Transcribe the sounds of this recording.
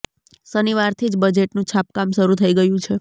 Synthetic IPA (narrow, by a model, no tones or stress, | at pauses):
səniʋaɾt̪ʰid͡ʒbəd͡ʒeʈnũt͡ʃʰap̚kamʃəɾut̪ʰəiɡəjũt͡ʃʰe